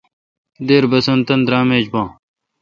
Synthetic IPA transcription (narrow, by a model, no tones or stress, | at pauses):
d̪eːɾbɐsɐnt̪ɐnd̪ɾaːmeːd͡ʑbãː